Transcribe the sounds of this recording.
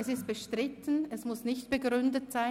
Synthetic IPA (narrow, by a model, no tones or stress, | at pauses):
ɛsɪst̚b̥əʃtʁ̥ɪtʰən̩ɛsmʊsnɪçtb̥əɡʁʏndətz̥aɪ